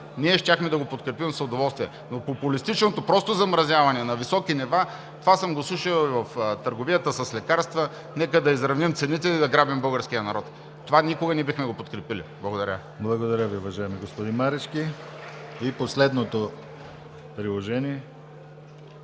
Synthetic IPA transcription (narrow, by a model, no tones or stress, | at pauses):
niɛʃt̪ʲaxmɛd̪ɐɡopot̪kɾɛpimsʊd̪ovɔlˠst̪viɛ | nopopulist̪it͡ʃnot̪opɾɔst̪ozɐmɾɐzʲjavɐnɛnɐvisɔkiniva | t̪ovasəmɡoslˠuʃəlˠvɐft̪əɾɡovijət̪əsɐslɛkaɾst̪və | nɛkəd̪ɐizɾɐvnimt̪sɛnit̪ɛid̪ɐɡɾabimbɤlˠɡəɾskijənɐɾɔt̪ | t̪ovanikoɡɐnɛbixmɛɡopot̪̚kɾɛpilḭblˠɐɡod̪ɐɾʲə | blˠɐɡod̪ɐɾʲəviʊvɐʒajɛmiɡospod̪inmaɾɛt͡ʃki | iposlɛd̪not̪o | pɾilˠoʒɛniɛ